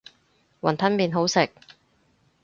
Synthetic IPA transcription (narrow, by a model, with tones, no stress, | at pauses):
wɐ˨˩nt̪ʰɐ˥nmiː˨nɦo˨˥wsɪ˨k̚